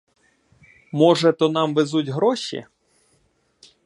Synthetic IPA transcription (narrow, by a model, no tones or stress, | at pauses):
mɔʒɛt̪ɔnɑmʋezutʲɦɾɔʃḭ